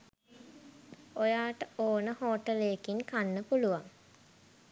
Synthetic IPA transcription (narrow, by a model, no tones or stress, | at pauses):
ojaːʈəoːnəhoːʈəlejːkiŋkanːəpuluʋaŋ